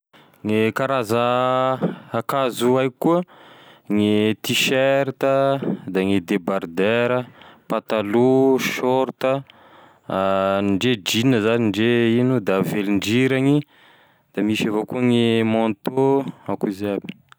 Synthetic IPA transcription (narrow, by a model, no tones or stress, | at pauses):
ŋekaɾazə | akazuajkuəŋet̪iʃeɾt̪əd̪aŋid̪ebaɾd̪eɾəpat̪aluʃɔɾt̪ə | nɳɖ͡ʐed͡ʒinəzaniɳɖ͡ʐeinud̪aveliɳɖ͡ʐiɾaŋi | d̪̥amiʃavokuəŋemɔnt̪oakuizabi̥